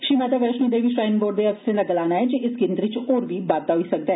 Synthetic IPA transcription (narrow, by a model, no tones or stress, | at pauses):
ʃiːmad̪aʋɛɾʃnid̪eːbʱiʃɾaːɪnboːɖd̪eɐɪselɐɡəlaːnaɦɛd͡ʒeʔɪsɡɪ̃nd̪ɾit͡ʃɔːɾbʱibaːt̪aɦoisɐk̚d̪aɦɛ